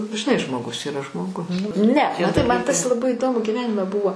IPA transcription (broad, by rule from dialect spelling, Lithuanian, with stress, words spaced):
ʒʲɪˈnɐɪ ʒmoːˈɡʊs iːˈrɐ ʒmoːˈɡʊs ˈnʲɛ mɐˈtɐɪ mɐn tɐs lˠɐˈbɐɪ ɪˈdoːmʊ ɡʲɪˈʋʲæːnʲɪmʲɛ ˈbʊʋoː